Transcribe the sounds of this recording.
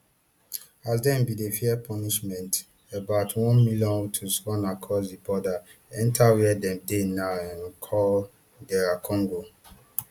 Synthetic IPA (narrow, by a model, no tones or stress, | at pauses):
azdɛ̃mbidefiɛpʰɔniʃmɛ̃nt | ebaʊtʰwɔ̃nmiljɔ̃nutʰuswɔ̃nakʰɔsdibɔdaɛ̃ntʰawɛdɛ̃mdenaɛ̃nkʰɔl | ɡɛɹakʰɔ̃ŋɡo